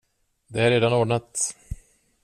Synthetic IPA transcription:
d̪ɛhæɾeːd̪anoːɖɳat̪

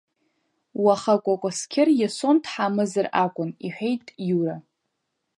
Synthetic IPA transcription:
waχakʷʼakʷʼaskʲʰɪrjasontʰħamɨzɨrakʷʼʊniħʷᶣejtʼjuɾa

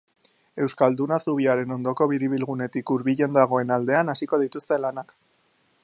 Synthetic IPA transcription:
e̞wskald̪unasuβ̞iaɾe̞no̞nd̪o̞ko̞βiɾiβ̞ilɣune̞t̪ikuɾβiʎe̞nd̪aɣ̞o̞e̞nald̪e̞anasiko̞ð̞it̪ust̪e̞lanak

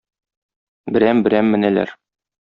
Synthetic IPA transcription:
bɘ̆ɾæmbɘ̆ɾæmːɘ̆nælæ̰ɾ

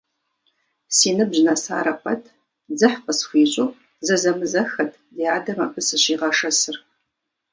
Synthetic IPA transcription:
siːnɨbʑnɐsa̰ːɾɐqʷʰʼɐtʰ | d͡zɨħqəsxʷiːɕʼoː | zɐzɐmɨzɐxɐtʰdiaːdɐma̰ːpʰʼɨsɨɕiːʁɐʂɐsɨr

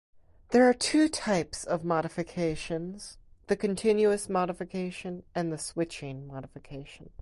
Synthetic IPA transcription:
ðə˞ːtʰʉtʰaɪpsʌvmɑɾɨfɨkʰeɪʃɨ̃nz̥ðɨkɨ̃ntʰɪ̃njʉɨsmɑɾəfɨkʰeɪʃɨ̃nɨ̃nðɨswɪt͡ʃɪ̃ŋmɑɾəfɨkʰeɪʃn̩

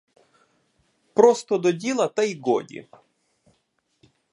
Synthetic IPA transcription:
pɾɔst̪ɔd̪ɔdʲilˠɐt̪ajɡɔ̰dʲḭ

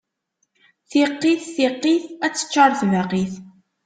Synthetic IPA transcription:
θiqːiθθiqːiθæt͡sːə̥t͡ʃːɑɾˤθvaqiθ

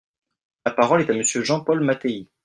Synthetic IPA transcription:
lapaʁɔlɛt̪aməsjøʒɑ̃pɔlmat̪ei

